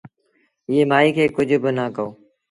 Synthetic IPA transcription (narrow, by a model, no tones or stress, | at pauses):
ɪːeːmaːiːkʰeːkʊd͡ʒʱʊbɪnəkəoː